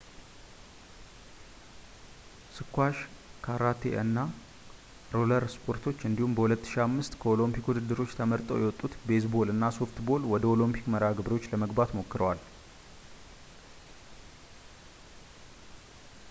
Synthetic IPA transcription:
sɨkʰːʷaʃkʰaɾat̪ʰḛʔɨnːa | ɾoləɾspʰo̞ɾt̪ʰo̞t͡ʃːɨnd̪ihumbəhulət̪ːɨ̥ʃiamːɨst̪kʰəo̞lompikud̪ɨd̪ːɨɾo̞t͡ʃːt̪ʰəməɾt̪ʼə̰wjɛwɔt̪ʼːut̪be̞sbolɨnːaso̞ft̪bo̞lwɔd̪əo̞lɨmpʰi̥kməɾaɡɨbɾo̞t͡ʃːləməɡbat̪mo̞kːɨɾəwal

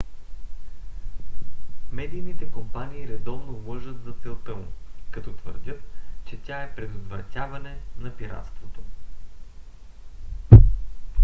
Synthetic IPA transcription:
mɛd̪ijnit̪ɛkompaniːɾɛd̪ɔvnovlˠɤʒət̪zɐt̪sɛlˠt̪əmʊ̰kɐt̪ɔt̪və̰ɾd̪ʲɤt̪t͡ʃɛt̪ʲaɛpɾɛd̪ʊd̪vɾɐ̰t̪ʲavɐnɛnɐpiɾa̰t̪st̪vot̪o

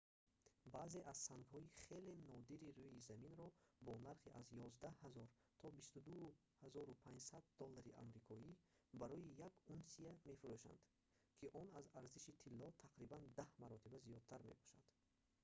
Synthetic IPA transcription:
baze̞ʔaz̥saŋɡhɔiχe̞le̞nɔd̪iɾiɾujizaminɾɔbɔnaɾχiʔazjɔzd̪ahazɔɾ | t̪ʰɔbist̪ud̪u | hazɔɾupʰãɲd͡ʒsad̪ːɔlːaɾiʔa̰mɾikʰɔibaɾɔjijaɡunsiame̞fuɾuʃa̰nd̪ | kʰiʔɔnazaɾziʃit̪ʰilːɔt̪ʰaqɾiband̪ahmaɾɔt̪ʰibazijɔd̪̥̚t̪ʰaɾmḛbɔ̥ʃa̰nd̪̥

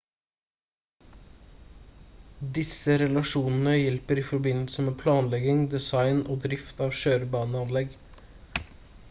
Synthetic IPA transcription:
d̪ɪsəɾɛlɑʃuːnn̩əjɛlpəɾiːfɔɾbɪnl̩səmeːpʰlɑːnlɛɡɪŋd̪ɛsɑɪnoːd̪ɾɪft̪ɑːʋʃøːɾəbɑːnəɑnlɛɡ

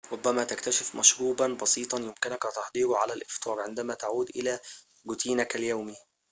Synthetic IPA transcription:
ɾˤʊbːæmæt̪ækt̪æʃɪfmʔæʃɾuːbɑnbɑsiːt̪ˤɑjɪmkɪnækʔɑt̪ɑħd̪ˤiːɾuʕalælʔɪft̪ʰˤɑːɾˤʕend̪æmæt̪aʕuːd̪ʔɪlæː | ɡʊt̪iːnækæljæwmi

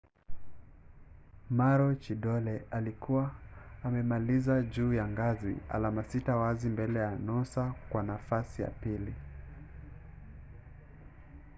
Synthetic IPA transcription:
maɾɔt͡ʃiɗɔlɛalikuwaːmɛmalizaʄuːjaŋɡazḭa̰lamasitawazimbɛlɛjanɔsakwanafasija̰pili

